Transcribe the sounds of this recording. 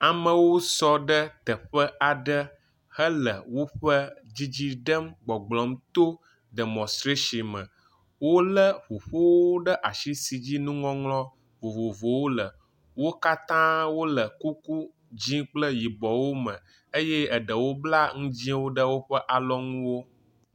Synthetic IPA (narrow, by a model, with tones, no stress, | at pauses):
a˨mə̃˨wo˦sɔ˦ɖə˦t̪ə˨ɸə˦a˨ɖə˦ | hə˦lə˨wo˦ɸə˦d͡ʑi˦d͡ʑi˦ɖə˦mɡ͡bɔ˨ɡ͡blɔ˨mt̪o˦ | ɖə˨mɔ̃˨st̪ɾe˦ʃi˨mə̃˨ | wo˦lə˦ɸo˨ɸo˦wo˦ɖə˦ʔa˨ʃi˦si˨d͡ʑi˦nũ˦ŋɔ̃˦ŋlɔ̃˦ | vo˨vo˨vo˨wo˦lə˨ | wo˦ka˦t̪ã˦wo˦lə˨ku˦ku˦ | d͡ʑĩ˦k͡plə˦ji˨bɔ˨wo˦mə̃˨ | ə˦je˦ə˨ɖə˨wo˦bla˦ŋũ˦d͡ʑĩ˦wo˦ɖə˦wo˦ɸə˦ʔa˨lɔ˦ŋũ˦wo˦